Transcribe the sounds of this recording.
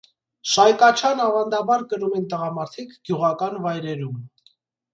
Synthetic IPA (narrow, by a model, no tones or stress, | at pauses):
ʃɑjkɑt͡ʃʰɑnɑvɑnd̪ɑbɑɾkəɾumɛnt̪əʁɑmɑɾt̪ʰikʰɡ̥juʁɑkɑnvɑjɾɛɾum